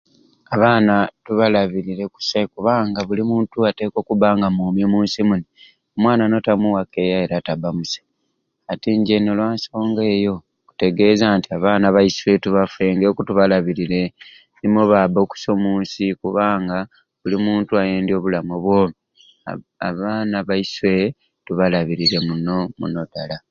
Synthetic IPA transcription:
aβaːnatuβalaβiɾiɾe̞ku̥sakuβaːŋɡaβulimuːntuate̞ːko̞kuβaːŋɡamuːmjoːmuːnsimuni | omwaːnano̞tamuwake̞ːjae̞ɾatabamusḁ | atiːɲɟe̞nolwaːnso̞ːŋɡe̞ːjo̞ | ku̥te̞ɡe̞zaːntiaβaːnaβajiswe̞tuβafwe̞ːŋɡekutuβalaβiɾiɾe̞ | nimoβaboku̥so̞muːnsikuβaːŋɡa | βulimuːntuajeːndio̞ːβulamoβwo̞mi | a̰βaːnaβaiswe̞ | tuβalaβiɾiɾe̞munomṵno̞dala

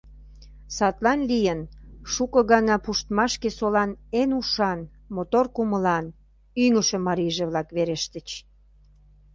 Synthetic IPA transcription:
sɑt̪lɑnlijənʃukɤ̆ɣɑnɑpuʃt̪mɑʃkesolɑnenuʃɑn | mot̪orkuməlɑn | yŋəʃĕmɑɾiʒeβlɑkβeɾeʃt̪ət͡ɕ

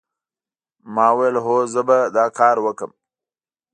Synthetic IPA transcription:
mɑwjelɦozəbad̪ɑkʰɑɾwəkəm

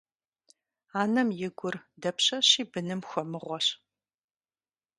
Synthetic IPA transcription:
aːnɐmjɪɡʷʊrdɐpɕɐɕiːbɨnɨmxʷɔmɨʁʷɔɕ

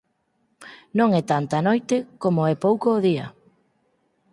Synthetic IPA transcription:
nõŋɛt̪ant̪anojt̪ɪkomoɛpowkoːðiɐ̰

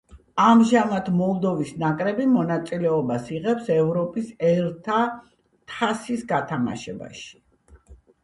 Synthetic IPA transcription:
amʒamat̪ʰmɔlˠd̪ɔvisnakʼɾɛbimɔnat̪sʼilɛɔbasiʁɛpsɛvɾɔpʼisɛɾt̪ʰa | t̪ʰasisɡat̪ʰama̰ʃɛba̰ʃi̥

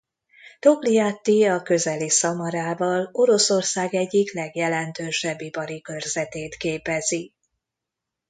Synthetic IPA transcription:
t̪o̞blijat̪ːiɒkø̞zɛlisɒmɒɾaːvɒlo̞ɾo̞so̞rsaːɡɛɟːiklɛɡjɛlɛnt̪øːʃɛbːipɒɾikø̞rzɛt̪eːt̪keːpɛzi

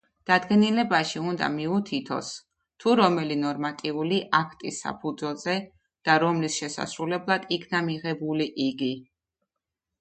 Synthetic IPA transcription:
d̪̥ad̪ɡɛnilɛbaʃiund̪a̰miut̪ʰit̪ʰɔ̰s | t̪ʰuɾɔmɛlinɔɾmat̪ʼiuliʔakʰt̪ʼisːa̰pʰud̪zwɛlˠzɛ | d̪̥aɾɔmlisʃɛsa̰sɾulɛblˠad̪̥ikʰnamiʁɛbuliʔiɡi

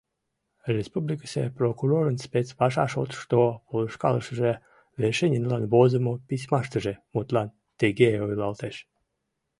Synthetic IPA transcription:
rʲespublʲikə̥sʲḛprokuɾoɾənspʲet͡spɑʃ̬ɑ̰ʃo̰t̪ʃt̪opolˠəʃkɑ̰lˠəʃəʒe | veʃenʲinlɑnbozəmopis̬ʲmɑʃt̪əʒemut̪lˠɑn | t̪eɡeojlɑlˠt̪eʃ

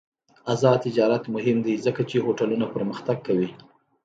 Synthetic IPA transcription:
azɑt̪ɪd͡ʒɑɾat̪mʊɦɪmd̪izəkat͡ʃehoʈalunapəɾməxt̪aɡ̚kawi

